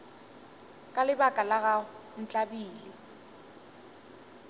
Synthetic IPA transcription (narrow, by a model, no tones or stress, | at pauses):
kʼalɪbakʼalaɣan̩t͡ɬʼabiːlɪ